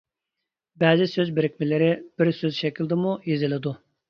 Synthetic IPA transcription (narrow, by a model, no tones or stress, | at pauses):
bɛːzɪsøzbɪɾɪkʲmɪlɪɾɪb̥ɪɾsøzʃɛkʲild̪ɪmujezɪlˠɪd̪u